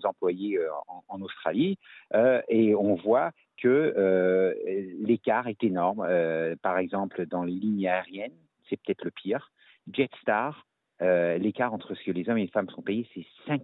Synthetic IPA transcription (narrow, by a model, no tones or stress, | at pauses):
zɑ̃plwajeøɑ̃ɑ̃nost̪χa̰liøeɔ̃vwa | kʰəø | lekaʁɛt̪enɔʁmøpaʁɛɡzɑ̃pld̪ɑ̃leliɲaɛʁjɛn | sɛpø̥t̪ɛt̪ʰləpʰiːʁ | ʒɛt̪st̪aʁ | ølekaʁɑ̃t̪χəsə̥kəlezɔmelefamsɔ̃pejesɛsɛ̃k